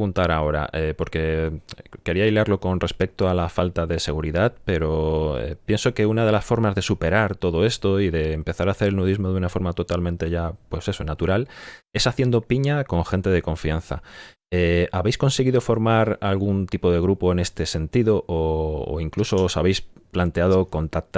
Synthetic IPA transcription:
ɣunt̪aɾao̞ɾa̰ʔepo̞ɾke̞ | ke̞ɾiajlaɾlo̞ko̞nre̞spe̞k̚t̪oalafalt̪aðe̞se̞ɣ̞uɾiðaðpe̞ɾo̞ḛpjenso̞ke̞unað̞e̞lasfo̞ɾmazðe̞supe̞ɾaɾt̪o̞ðo̞est̪o̞iðe̞ːmpe̞θaɾaːθe̞ɾelnuðizmo̞ðunafo̞ɾmat̪o̞t̪almẽnt̪e̞ʝapwe̞se̞so̞nat̪uɾale̞saθje̞nd̪o̞piɲako̞ŋxe̞nt̪e̞ðe̞ko̞ɱfian̟θa̰ | eaβejsko̞nseɣ̞iðo̞fo̞ɾmaɾalɣunt̪ipo̞ð̞e̞ɣ̞ɾupo̞e̞ne̞st̪e̞se̞nt̪iðo̞ʔo̰ːiŋkluso̞ːsaβ̞e̞jsplant̪e̞að̞o̞ko̞nt̪ak̚t̪

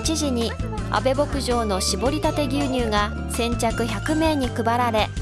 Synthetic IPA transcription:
t͡ɕiʑiɲ̟i | a̰be̞bo̞kɯ̟ʑo̞ːno̞ɕibo̞ɾʲit̪at̪e̞ɡʲɨːɲ̟ɨːɡa | sẽ̞ɲ̟t͡ɕakɯ̟çakɯ̟me̞ːɲ̟ikɯ̟baɾaɾe̞

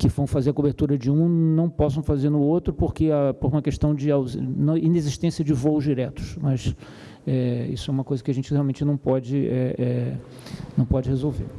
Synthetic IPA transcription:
kɪvɐ̃w̃fazeɾɐkobeɾt̪uɾɐd͡ʒɪũnɐ̃w̃pɔsɐ̃w̃fazeɾnʊot̪ɾʊpoɾkɪapoɾũmɐkeʃt̪ɐ̃w̃d͡ʒɪawznɐ̃ineziʃt̪ẽsiɐd͡ʒɪvoʊʒd͡ʒiɾɛt̪ʊ̥ʃmɐs | ɛḭsʊɛũmɐkojzɐkɪaʒẽnt͡ʃɪheawmẽnt͡ʃɪnɐ̃w̃pɔd͡ʒɪɛɛ | nɐ̃w̃pɔd͡ʒɪhezowvḛɾ

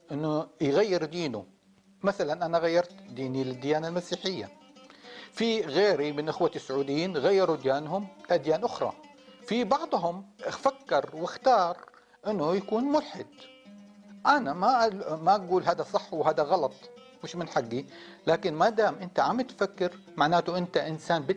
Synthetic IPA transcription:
ʔɪnːʊjɣajːɪɾd̪iːnu | maθalanʔanaɣajːɑɾˤt̪d̪iːnilɪd̪ːɪjaːnalmasiːħɪjːa̰ | fiɣeːɾimɪnʔɪxwasːʊʕuːd̪ɪjːiːnɣajːɑɾud̪jaːnɦʊmlʔad̪jaːnʔʊxɾˤɑ̰ | fibɑʕd̪ˤɦʊmfakːɑɾˤwɪxt̪ɑːɾˤ | ʔɪnːʊjakuːnmʊlħɪd̪ | ʔanamamaʔaɡuːlɦaːd̪asˤɑħːwɦaːd̪aɣɑlɑt̪ˤ | mɪʃmɪnħaɡːilaːkɪnmad̪aːmʔɪnt̪aʕamɪt̪fakːɪɾ | maʕnaːt̪uʔɪnt̪aʔɪnsaːnbɪ

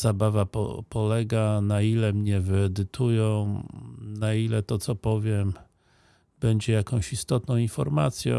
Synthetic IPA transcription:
z̥abavapɔ̰pɔlɛɡanailɛmɲɛvɘɛd̪ɘt̪ʰujɔ̃w̃nailɛt̪ɔt̪sɔpɔvʲjɛm | b̥ɛɲd͡ʑɛjakɔ̃w̃ɕist̪ɔt̪nɔ̃w̃infɔ̰ɾmat̪sʲjɔ̰̃

